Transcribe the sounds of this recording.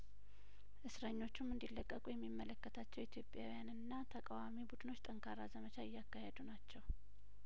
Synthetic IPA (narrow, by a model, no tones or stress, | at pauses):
ʔɨsɾəɲːo̞t͡ʃːumɨnd̪ilːəkʼːəkʼujɛmːimːələkːət̪ʰat͡ʃːɛwit̪ʰjo̞pʼjawijanɨnːat̪ʰəkʼawamibud̪ɨno̞t͡ʃːt̪ʼəŋkʰaɾazəmət͡ʃaɪjːakːahed̪unat͡ʃːɛw